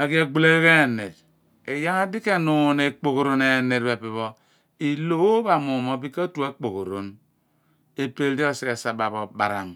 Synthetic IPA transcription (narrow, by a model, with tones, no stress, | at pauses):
a˨ɡi˦e˨ɡ͡bu˦le˦ɣe˦˨ne˨d | e˨ja˦a˦di˦ke˦nu˨ne˨k͡po˨ko˨ɾo˨ne˨ne˨dbe˨pi˨βo˦ | i˨lo˦ba˨mu˨mo˦bi˦ka˦tu˨a˦k͡po˨ko˨ɾo˨n | e˨pe˨ldi˦o˦˨si˨ke˨sa˨ba˨bo˨ba̰˨ɾa̰˨m